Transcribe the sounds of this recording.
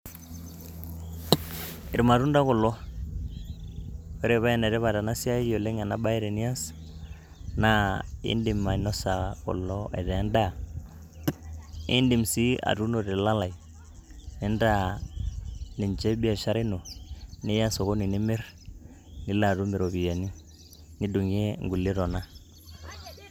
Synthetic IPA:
ɪ˨ɾma˨ɾu˦nda˦ko˨lːɔ˦ | o˦ɾe˨βa˦jɛ˨ne˨ɾɛ˦βa˨ta˨na˦si˦a˦i˦jo˨le˦ŋa˨na˦ba˦i˦ɾe˨ni˦ja˦s | na˦ḭ˦ndi˨ma˨no˦sa˨kɔ̰˨lːɔ˦ḛ˨tɛ˨˦nda˦ | ḭ˦ndi˨msi˦a̰˨tu˦no˨ɾe˨la˦la˨i˨ | ne˦nda˦ | ni˨nd͡ʒe˦bi˦a˨ʃa˦ɾɪ˦no˨ni˦ja˦so˨ko˦ni˨nɪ˦me˦r | nɪ˦la˨ɾu˦mi˨ɾo˨bi˨ja˨ni˦ | ni˦du˨ŋ˦e˦ŋɡu˨li˦ɾɔ˨na˦

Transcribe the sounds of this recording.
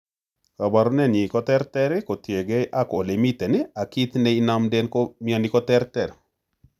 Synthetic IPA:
ka˨ba˨ɾɔ˦nɛ˦ni˨kɔ˦t̪ɛ˦ɾtɛ˦ɾɛ˦ko˨tje˨ɡe˦ʔa˦ko˨li˨mi˦t̪ɛ˨nɛ˦a˨ki˦t̪nɛ˦ɪ˦na˦mdɛ˦nkɔ˦miɔ˦˨nɪ˦kɔ˦tɛ˦ɾtɛ˨ɾ

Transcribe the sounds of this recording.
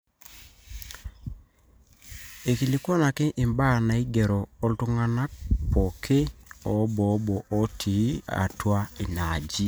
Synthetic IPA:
e˨ki˨li˨˦kwɔ˦na˨kɪ˦ʔɪ˨mba˦˨na˨i˦ɡe˨ɾɔː˨˦ltʊ˦ŋa˦na˦k̚pɔ˨kʰɪ˦ɔ˨˦bɔ˨˦bɔ˨ʔɔ˦tʰi˨˦a̰˨twa˦ɪ˨na˨d͡ʒi˦

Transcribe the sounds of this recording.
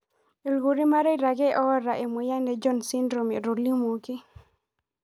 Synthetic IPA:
e˨lɡu˨ɾi˦ma˦ɾe˦iɾa˨ɡɛ˦ʔɔ˦ɾa˨ʔe˨mo˨ja˦ndɛ˨d͡ʒɔ˦nsi˦ndɾo˨me˨ɾo˨li˦mo˨ki˦

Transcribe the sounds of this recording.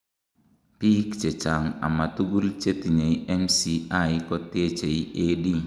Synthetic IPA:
pi˦kt͡ʃe˨t͡ʃa˨ŋa̰˨ma˨tu˦ɡu˦lt͡ʃe˦ti˨ɲe˨iɛ˦msi˦a˦jkɔ˦te˦t͡ʃe˨ie˦di˦

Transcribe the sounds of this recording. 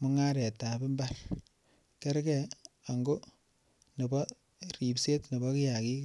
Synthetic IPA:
mu˦ŋa˦ɾɛ˨ta˨bi˦mba˦r | kɛ˦ɾkɛ˨a˨ŋɡo˦ | ne˨bɔ˦ | ri˨pse˦tne˨bɔ˦kɪ˦ja˨ki˦

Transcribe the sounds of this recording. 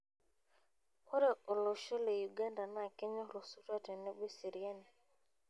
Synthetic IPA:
kʰɔ˦ɾɛ˨ɔ˨lɔ˨ʃɔ˦le˨ju˨ɡa˦nda˨na˨kɛ˦ɲɔ˦ɾɔ˨su˦ɾa˦˨tɛ˨nɛ˦bi˦si˨ɾi˨a˦ni˨

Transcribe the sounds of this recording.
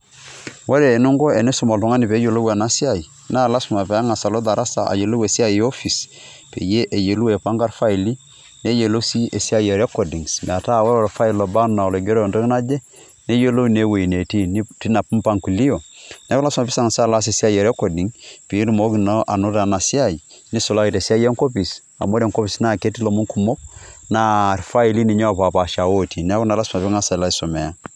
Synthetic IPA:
wo˦ɾe˨nu˦ŋɡɔ˦e˨ne˦su˨ma˨tɔ˨ŋa˦ni˨pe˨˦jo˨lo˦wa˨na˦si˦a˦˨i˨ | na˦˨la˦sma˨pɛ˨a˦ŋa˨sa˨lo˦d̪a˨ɾa˦sa̰˨ʔa̰˨je˨lo˦we˨si˦a˦˨ji˨o˦fi˨spḛ˨je˦ʔe˨je˨lu˦we˨pa˦ŋɡa˦ɾfa˦i˨li˦ | ne˦je˨lo˦si˦ʔe˨si˦a˦je˨ɾe˦kɔ˨di˨ŋsm̰˨a˨ta˦˨wa˦ɾo˨ɾfa˦i˨lo˨ba˦na˨ɔ˨le˨ɡe˦ɾo˦˨ndo˦kna˦d͡ʒe˦ | ne˦je˦lo˦ne˦we˨i˨ne˨ti˦ni˦ti˦na˨pu˦mpa˦ŋku˨li˦o˨n˦kla˦sma˨pi˦sa˦ŋa˨sa˦la˦s̬e˨si˦a˦je˨ɾe˦ko˨di˨ŋpi˨˦ɾi˦mo˨˦kno˦ʔa˨nu˦ta˨na˨si˦a˦˨ji˨ | ni˦so˨la˦ki˨te˨si˦a˦ije˦ŋko˦pi˨s | a̰˨mo˦ɾe˨ŋko˦pi˨sna˦˨ke˦ti˦lo˨mu˦ŋku˨mo˦k̚na˦˨ɾfa˦i˨li˦ni˨ɲa˦˨pa˨pa˨ʃa˨wo˦ti˨nɛ˦ku˦na˨la˦sma˨pi˦ŋa˦sa˨la˦i˦so˨me˨ja˦

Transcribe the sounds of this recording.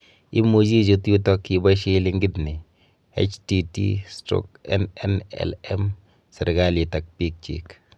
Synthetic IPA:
i˦mu˨d͡ʒi˦d͡ʒo˦tju˦tɔ˦kːiba˦ʃi˦li˦ŋɡɪ˦tni˨ | ḛt͡ʃtitḭ˦stɾo̰˦kɛ̰nɛ̰nɛ̰lɛm | sɛ˨ɾɡali˨tak̚pi˦k̚t͡ʃḭk

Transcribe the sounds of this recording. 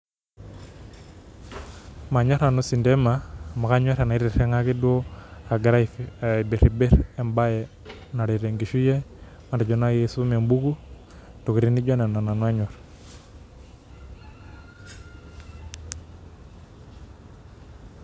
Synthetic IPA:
ma˨ɲo˦ɾa˨nu˦si˨nde˦ma˨ma˨ka˦ɲo˦ɾa˨na˨i˦ɾi˨ɾe˦ŋa˦ki˦du˦o˦a˨ɡa˨ɾa˦˨be˨ɾi˨be˦ɾe˨mba˦je˨ | na˨ɾi˨ɾe˨ŋɡi˨ʃu˦je˦ | ma˨nda˨d͡ʒo˨na˦je˦su˦me˨mbu˦ɡu˦ | to˨ki˨ɾi˦ni˦d͡ʒo˦ne˨na˨na˨nwa˦ɲɔ˨ɾ

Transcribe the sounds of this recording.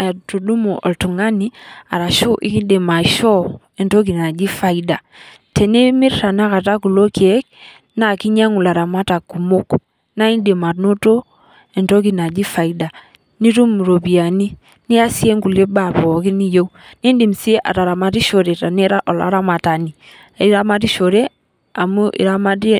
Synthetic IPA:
tu˨du˦mo˨ʔɔ˨ltu˨ŋa˦ni˦a̰˨ɾa˨ʃo˦ʔḭ˦ki˦de˨ma˨ʃɔ˦ | ɛ˨nto˦k̬i˨na˨d͡ʒi˦fa˨i˦da˨ | tɛ˨ne˦mi˦ɾta˨na˦ka˨ta˦ku˨lo˦kɛ˦k̚ | na˨ki˦ɲa˦ŋu˨la˨ɾa˨ma˦ta˨ku˨mo˦k | na˦i˦nde˨ma˨tno˦to˦ | ɛ˨nto˦k̬i˦na˨d͡ʒi˦fa˨i˦da˨ | ni˦tu˦m˨ɾo˨pi˨a˨ni˦ | ni˦a˦si˦e˦ŋku˨le˦ba˦˨pɔ˨ki˦ni˦jo˦ni˦ndi˨msi˦ʔa̰˨ta˨ɾa˨ma˨ti˦ʃo˨ɾe˨ta˨ne˦ɾa˦ʔɔ˨la̰˨˦ɾa˦ma˨ta˨ni˨ | i˦ɾa˦ma˦ti˦ʃo˨ɾe˦ | a˨mu˦ʔḭ˨ɾa˦ma˦ti˦

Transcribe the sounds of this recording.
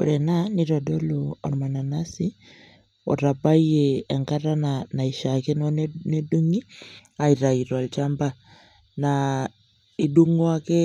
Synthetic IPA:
u˨ɾɛ˨nani˦ɾɔ˨ɗɔ˦luɔ̰˨ɾma˨na˨na˦si | ɔ̰˨ɾa˨ba˦ieː˨ŋka˦ɾanana˨iʃakɛ˦nɔ˦nne˦du˦ŋi˦a˨i˨ɾa˨iɾwa˨lt͡ʃamba | na | i˨ɗu˦ŋɔ˦akɛ˦

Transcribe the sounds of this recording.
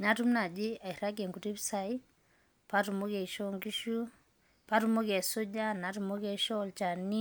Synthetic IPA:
na˦tu˦mna˨d͡ʒi˦a˨i˨ɾa˦ɡɛ˨ŋɡu˨ti˦bsa˨i˦ | pa˦tu˨mo˦kɛ˨i˨ʃɔŋɡi˦ʃu˦ | pa˦tu˦mo˦kɛ˨so˦d͡ʒa˦na˨tu˨mo˦kɛ˨ʃɔ˦lt͡ʃa˨ni˦

